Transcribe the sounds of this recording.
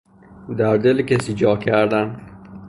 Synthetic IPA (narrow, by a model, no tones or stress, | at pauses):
d̪aɾd̪ɪlkesid͡ʒɒːkʰæɾd̪an